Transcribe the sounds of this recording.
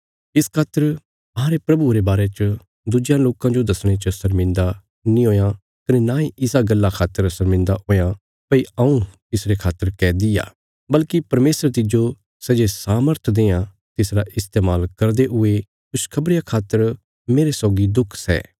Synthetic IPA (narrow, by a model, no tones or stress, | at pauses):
ɪskʰaːt̪ːəɾ | ɐãɾepɾɐbuɾebaːɾet͡ʃə | d̪ʊd͡ʒjãloːkãd͡ʒod̪ɐsɽ̃et͡ʃəsɐɾmɪ̃nd̪a | nĩoːjã | kɐnenãːĩʔɪsaɡɐlːakʰaːt̪ːəɾsɐɾmɪ̃nd̪aɦoːjã | pɐiɐũt̪ɪsɾekʰaːt̪ːəɾkɛːd̪ɪja̰ː | bɐlkipɐɾmeːsəɾt̪ɪd͡ʒo | sɛd͡ʒesaːməɾt̪ʰd̪eːã | t̪ɪsɾaʔɪst̪eːmaːlkɐɾd̪eɦʊe | kʊskʰɐbɾɪjakʰaːt̪ːəɾ | meːɾesɔːɡid̪ʊkʰsɛ̰ː